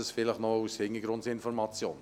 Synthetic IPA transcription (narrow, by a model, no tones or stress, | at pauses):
əsfɪləχnɔushɪŋəɡɾʊntsɪnfɔɾmɑt͡sjoːn